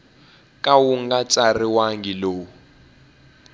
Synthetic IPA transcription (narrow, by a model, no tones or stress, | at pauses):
kʼawuŋɡat͡sʼariwaŋɡiloːu